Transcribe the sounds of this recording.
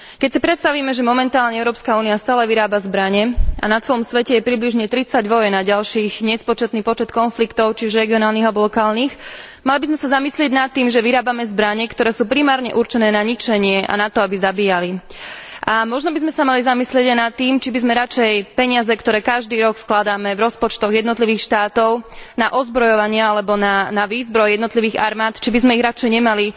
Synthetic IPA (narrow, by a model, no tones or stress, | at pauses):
kɛcsipɾɛt̪st̪aʋiːmɛʒɛmɔmɛnt̪aːlɲɛɛʊɾɔːpskauːniast̪aːlɛʋiɾaːbazbɾaɲɛa̰nat͡sɛlɔmsʋɛcɛjɛpɾibliʒɲɛt̪ɾit͡saɟʋɔjɛnaɟalʃiːɣɲɛspɔt͡ʃɛt̪niːpɔt͡ʃɛt̪kɔnflikt̪ɔʊt͡ʃiuʒɾɛɡiɔnaːlniɣalbɔlɔkaːlniːx | malibizmɛsazamislɪɛɟnat̪ːiːmʒɛʋiɾaːbamɛzbɾaɲɛkt̪ɔɾɛːsuːpɾimaːɾɲɛ̰ʔuɾt͡ʃɛnɛːnaɲit͡ʃɛɲɪɛʔa̰nat̪ɔabizabiːjaliʔamɔʒnɔbizmɛsamalizamislɪɛɟajnat̪ːiːmt͡ʃibizmɛɾat͡ʃɛjpɛɲɪazɛkt̪ɔɾɛːkaʒd̪iːɾɔkfklad̪amɛvɾɔspɔt͡ʃt̪ɔɣjɛd̪nɔt̪liʋiːxʃt̪aːt̪ɔʊnaʔɔzbɾɔjɔʋaɲɪaalɛbɔnanaʋiːzbɾɔjjɛd̪nɔt̪liʋiːɣaɾmaːt̪t͡ʃibizmɛiɣɾat͡ʃɛjɲɛmali